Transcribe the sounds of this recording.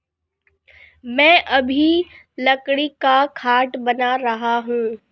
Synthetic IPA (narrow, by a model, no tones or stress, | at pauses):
mɛ̃ːʔɐbʱi | lɐkɽikakʰaːʈbɐnaɾɐɦaɦũː